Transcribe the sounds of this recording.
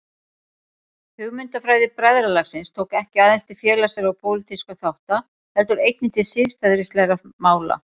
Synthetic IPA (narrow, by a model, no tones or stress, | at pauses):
hʏɣmʏnt̪afɾaːjðɪpɾaðɾalaxsɪnst̪ʰoːwkɛhcɪaːðɛnst̪ɪfjɛːlasɛɾawpʰowlɪt̪iskaθawht̪a | hɛlt̪ʏɾejt̪nɪnt̪ʰɪsɪɾ̥fɛðɾɪst̪lɛɾamaːwla̰